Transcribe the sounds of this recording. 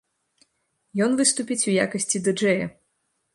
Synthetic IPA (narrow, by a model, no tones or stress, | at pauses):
jɔnvɨst̪upʲit͡sʲuja̰kɐsʲt͡sʲid̪ɨd͡ʐɛjɐ̰